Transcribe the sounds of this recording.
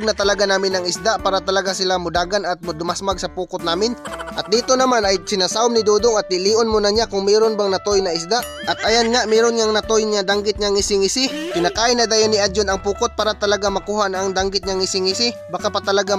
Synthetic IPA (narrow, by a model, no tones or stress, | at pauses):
ɡ̚nɐt̪ɐlɐɡanaːmɪnɐŋɪsd̪aʔpaːɾat̪ɐlɐɡasɪlamʊd̪aːɡanɐt̪̚mʊd̪ʊmasmaɡsɐpuːkot̪̚naːmɪnʔɐt̪̚d̪iːt̪onɐmanɐjsɪnasaʊmnɪd̪uːd̪oŋɐt̪̚ːɪliːʔonmonɐɲakʊŋmɛːɾonbaŋnɐt̪ojnɐɪsd̪aʔ | ʔɐt̪̚ʔɐjanŋaʔmɛːɾonɲaŋnɐt̪ojnɐd̪aŋɡɪt̪̚ɲaŋɪsɪŋɪsɪt̪ɪnɐkaːɪnɐd̪aːjanːɪʔad̪d͡ʒonɐŋpuːkot̪̚paːɾat̪ɐlɐɡamɐkuːhaʔnɐʔːŋd̪aŋɡɪt̪̚ɲaŋɪsɪŋɪsɪbakapɐt̪ɐlɐɡa